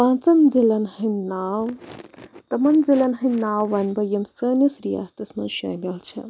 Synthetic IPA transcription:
pãːnt͡sɐnzilɐnhɐnaːw | t̪ɐmɐnzilɐnɦɐnaːwːɐnbɐjɐmsɐːnɐsɾija̰ːst̪ɐsmɐnʃɐ̰ːmɐlt͡ʃʰɐ̰

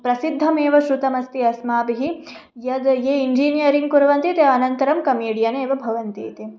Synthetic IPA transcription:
pɾɐsid̪ʱːɐmeːʋɐʃɾut̪ɐmɐst̪iɐsmaːbiɦi | jɐd̪jeːind͡ʒiːnijɐɾiŋɡ̚kuɾɐʋɐnt̪it̪eɐnɐnt̪ɐɾɐmkɐmiːɽijɐneːʋɐbʱɐʋɐnt̪ḛːt̪e

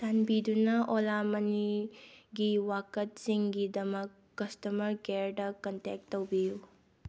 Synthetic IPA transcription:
sanbidunɐʔolamɐniɡiwakɐt̚siŋɡidɐmɐkːɐstɐmɐɾɡeɾdɐkɐntek̚tːowbiju

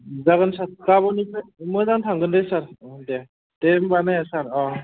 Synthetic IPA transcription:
zaɡansat̚kabɔnibɯmɯzantʰaŋɡɯndɯjsaɾde | tembanajasaɾɔ

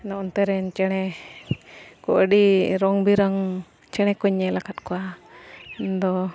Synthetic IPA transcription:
nɔɔnt̪ɛɾɛnt͡ʃɛɽ̃ɛ | kɔʔɖiɾɔŋbiɾaŋ | t͡ʃɛɽ̃ɛkɔɲɛlakat̪̚kɔwa | nd̪ɔ

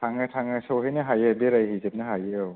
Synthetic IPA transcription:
tʰaŋatʰaŋasoɦajnaɦajebeɾajhijzep̚naɦajew

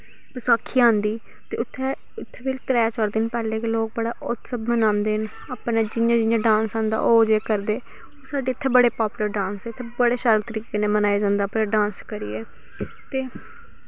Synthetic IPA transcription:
bəsaːkʰːiːãːnd̪iː | t̪eːʊt̪ʰːɛ | ʊt̪ʰːɛːbɪlt̪ɾɛːt͡ʃəɾd̪eːnpɛːleːkloːk̚bəɽaːʔʊt̪səbmənaːnd̪eːn | apnaːd͡ʒɪjãːd͡ʒɪjãːɖãːnsãːnd̪a̰ːʔoːd͡ʒeːkəɾd̪eː | oːsaːɖeːɪt̪ʰːɛːbəɽeːpaːpʊləɾɖãːnsɛːɪt̪ʰːebəɽeːʃaɾt̪əɾiːkeːnẽːmənaːeːd͡ʒãːnd̪aːpnaːɖãːnskəɾiːɛː | t̪eː

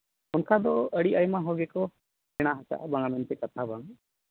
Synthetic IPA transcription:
ʊnkad̪ɔəɽiʔajmaɦɔɡɛkɔ | ɛɽ̃aɦat͡ʃa̰ʔbaŋamɛnt̪ɛkat̪ʰabaŋ

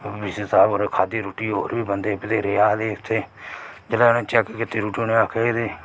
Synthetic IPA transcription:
bisesaːboɾkʰaːd̪iːɾoːʈiːɦo̰ːɾʋiːbənd̪eːpɪt̪eːɾeːaːleːɪt̪ʰːeːd͡ʒəlaːnẽːt͡ʃɛːkkɪt̪eːɾuːʈoːnẽːaːkʰeːd̪eː

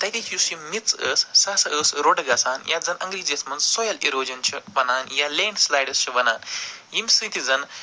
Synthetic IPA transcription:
t̪ɐjt̪ihʰisimit͡səsːasəsɾoɽɡɐsaːnjad͡zɐnʔə̰ŋɡɾid͡ʑesmɐnsɔjɐliɾoːd͡ʑɐnt͡ɕʰɐʋɐnaːnjaleːɳɖslajɽɐst͡ɕɐʋɐnaːnjimsɨ̃t̪id͡zɐn

